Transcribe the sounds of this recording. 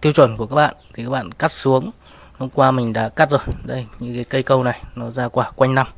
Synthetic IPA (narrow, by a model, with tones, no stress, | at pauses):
t̪ʰi˧wt͡ɕwə˧˩nku˧˩əkaː˦˥k̚ɓa̰ː˧˨nt̪ʰi˨˩kaː˦˥k̚ɓa̰ː˧˨nka˦˥t̚su˨˦əŋ | lu˧ŋ͡mkwaː˧mï˨˩ŋ̟ɗa̰ː˧˥ka˦˥t̚zo˨˩jɗə˧jɲɨ̰˧˥ŋkaː˨˦kə˧jkə˧wna˨˩jnɔ˨˦zaː˧kwaː˧˩kwa˧jŋ̟na˧m